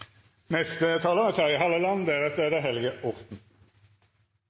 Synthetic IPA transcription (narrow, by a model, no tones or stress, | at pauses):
nɛst̪ət̪ʰɑːləʁət̪ʰɑɪɦɑlːəlɑnd̪æʁɛt̪əd̪ɛɦɛlɪɡəʔɔʁt̪n̩